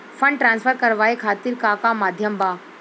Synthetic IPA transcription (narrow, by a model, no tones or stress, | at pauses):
fʰə̃ɳɖʈɾãːnsfʰəɾkɐɾʋaːekʰaːt̪iɾkakamaːd̪ʱjəmbaː